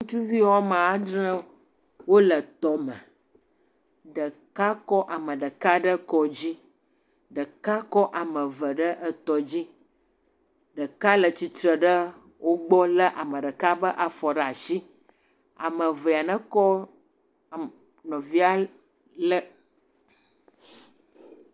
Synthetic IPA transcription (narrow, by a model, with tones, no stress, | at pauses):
ŋũ˦t̪u˦vi˦ɦɔ˦mã˨a˦dɾə̃˦ | wo˦lə˨t̪ɔ˦mə̰˨ | ɖə˨ | ka˦kɔ˦ʔa˨mə̃˨ɖə˨ka˦ɖə˦kɔ˦d͡ʑi˦ | ɖə˨ka˦kɔ˦ʔa˨mə̃˨və˨ɖə˦ʔə˦t̪ɔ˨d͡ʑi˦ | ɖə˨ka˦lə˨t͡ɕi˨t̪ɾə˨ɖə˦ | wʔo˦ɡ͡bɔ˦lə˦ʔa˨mə̃˨ɖə˨ka˦bə˦ʔa˨fɔ˨ɖə˦a˨si˦ | a̰˨mə̃˨və˨a˨nə̃˦kɔ˦˨ | nɔ̃˨vi˦a˦ | lə˦